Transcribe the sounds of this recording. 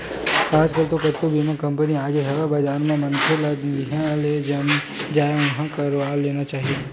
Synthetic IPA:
aːd͡ʒkəlt̪okɐt̪ːobʱiːmãkɐ̃mpəniaːɡeɦɛɡabəd͡ʒaːɾmẽmɐnkʰeladiɦɛled͡ʒamẽ | d͡ʒaːeʊnɦãkaɾaːlːeːnat͡ʃaːɦie

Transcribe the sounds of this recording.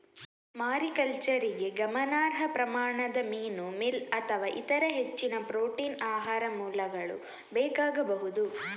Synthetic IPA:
maːɾikɐlt͡ʃɐɾiɡe̞ɡɐmɐnaːɾɦɐpɾɐmaːɳɐd̪ɐmiːnumilɐt̪ʰɐʋaːʔit̪ɐɾɐɦet͡ʃːinɐpɾoːʈiːnaːɦaːɾɐmuːlɐɡɐɭṵ | bɛːkaːɡɐbɐɦud̪u

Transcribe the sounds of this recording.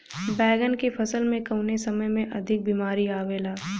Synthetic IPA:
bɛːɡənkepʰɐsəlmẽkɐʊnesɐməjmẽʔɐd̪ʱɪk̚biːmaːɾiaːʋeːlaː

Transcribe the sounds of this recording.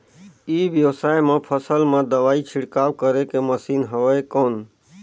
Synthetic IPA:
iʋjəwsajmepʰəsəlmẽd̪əʋaːit͡ʃʰiɽkawkəɾekeməsiːnɦəʋəekoːn

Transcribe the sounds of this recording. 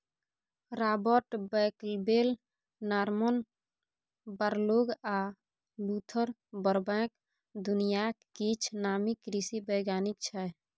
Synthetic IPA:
ɾabəʈbɛklbel | naɾmən | baɾloɡa | lut̪ʰəɾ | bəɾbɛ̃k | d̪unijakkit͡ʃʰnamikɾisibəjɡjanik̚t͡ʃʰɛ

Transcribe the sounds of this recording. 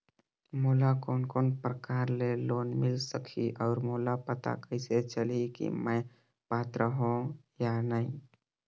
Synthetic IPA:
moːlakɔːnkɔːnpɾəkaːɾleloːnmɪlsəkʰiʔɔːɾmoːlapət̪a̰kəɪset͡ʃəlikḭmə̃j | paːt̪ɾəɦõjanaĩ

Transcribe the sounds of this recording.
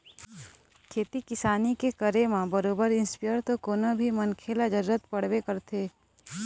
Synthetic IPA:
kʰeːt̪ikɪsaːnikekəɾemãbəɾoːbəɾɪ̃nspijəɾt̪okoːnabʱimənkʰeːlad͡ʒəɾuːɾət̪pɐɽ̤wekəɾt̪ʰeː

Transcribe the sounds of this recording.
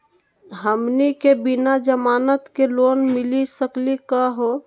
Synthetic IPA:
ɦəmnikebinad͡ʒəmaːnət̪keloːnmɪlisəklikaɦo

